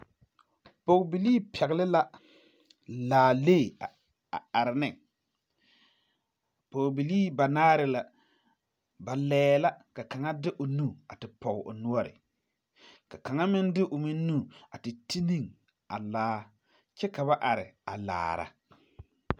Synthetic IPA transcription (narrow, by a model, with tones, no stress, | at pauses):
pɔ˨ɡbi˨liː˦pʰɛ˨ɣɪ˨lɪ˦la˦ | laː˨leː˦˨a˨ | a̰˨a˨ɾɪ˨nɪ˦˨ | pɔ˨ɣbi˨liː˦ba˨naː˦ɾɪ˨˦la˨ | ba˨lɛː˦la˦ka˨ka˨ŋa˦dɪ˦ʔʊ˨nu˦a˨tɪ˨pɔ˨ɣɪ˨ʔʊ̰˨nu˦ɔ˦ɾɪ̰˨ | ka˨ka˨ŋa˦mɪ˦ndɪ˦ʔʊ˨mɪ˦n˦nu˦a˨tɪ˨ti˦ni˦˨ŋ | a˨laː˦ | t͡ʃɛ˦ka˨βa˦ʔa˨ɾɪ̰˨a˨la̰ː˨ɾa̰˨